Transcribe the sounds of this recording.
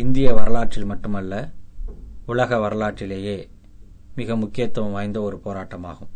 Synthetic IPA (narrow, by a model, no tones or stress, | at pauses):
ɪnd̪ɪjɐʋɐɾɐlaːʈ̚t͡ʃɪlmɐʈːɯmɐlːɐ | ʊɭɐɣɐʋɐɾɐlaːʈːɪleːjeː | mɪɣɐmʊkːɪjɐt̪ːwɐʋɐmʋaːjɐnd̪ɐɔɾɯpoːɾaːʈːɐma̰ːɣɯm